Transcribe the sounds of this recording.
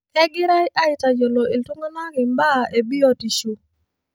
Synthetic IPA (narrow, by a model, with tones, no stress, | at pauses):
ɛ˦ɡɪ˦ɾa˦ɪ˦ʔa˦ɪ˨ta˨d͡ʒo˨lo˨i˨ltu˦ŋo˦na˦ɡɪ˨mba˦˨e˨bi˦ɔ˨ti˨ʃo˨